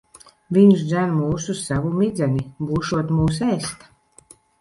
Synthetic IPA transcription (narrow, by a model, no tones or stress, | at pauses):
vʲiɲʃd̪zænmuːsussavumid̪zʲɛnʲibuːʃuɔt̪muːs̬ɛːst̪ḁ